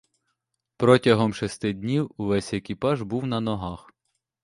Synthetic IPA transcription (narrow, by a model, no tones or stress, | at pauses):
pɾɔtʲɐɦɔmʃest̪ɪdʲnʲiwuʋɛsʲekʲipɑʒbuwnɐnɔɦɑx